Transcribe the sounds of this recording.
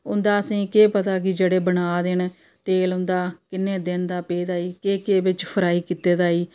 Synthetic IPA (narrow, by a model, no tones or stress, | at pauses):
ʊnd̪aːəsĩːkeːpət̪aːk̬ɪd͡ʒeːɽeːbənaːd̪ɪn | t̪eːlʊnd̪aːkɪnːeːd̪ɪnd̪aːpeːd̪aːiːkeːkeːbɪt͡ʃpʰəɾaːiːkiːt̪eːd̪aːiː